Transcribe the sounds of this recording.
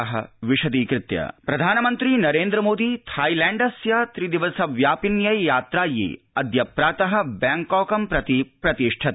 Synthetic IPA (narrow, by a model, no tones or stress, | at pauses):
ɐɦɐ̰ʋiʃɐd̪iːkɾɪt̪jɐ̰pɾɐd̪ʱaːnɐmɐnt̪ɾinɐɾeːnd̪ɾɐmoːd̪it̪ʰaːjlɛːɳɖɐsjɐt̪ɾid̪iʋɐsɐʋjaːpinjɐjjaːt̪ɾaːjḭ | ɐd̪jɐpɾaːt̪ɐɦɐ̆baːŋkɔːkɐmpɾɐt̪ipɾɐt̪iʂʈʰɐ